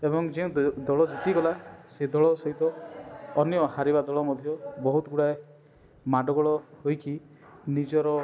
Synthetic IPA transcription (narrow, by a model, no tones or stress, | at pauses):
ebɔŋd͡ʒeũd̪ɔɭɔd͡ʒit̪iɡɔlased̪ɔɭɔsɔɦit̪ɔː | njɔhaɾibad̪ɔɭɔmɔd̪ʱjɔbɔɦut̪ɔɡuɽae | maɖɔɡɔɭɔɦojki | nid͡ʒɔɾɔ